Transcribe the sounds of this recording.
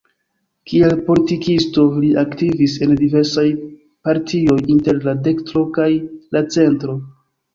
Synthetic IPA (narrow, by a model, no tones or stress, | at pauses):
kielpo̞litikisto̞liʔaktivise̞ndive̞ɾsaj | paɾtʰio̞jinte̞ɾlade̞ktɾo̞kajlat͡se̞ntɾo̞